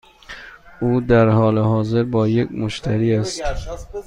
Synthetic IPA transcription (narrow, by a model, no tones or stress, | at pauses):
ʔuːd̪æɾhɒːleɦɒːze̞ɾbɒːjekmoʃt̪ʰæɾiːæst̪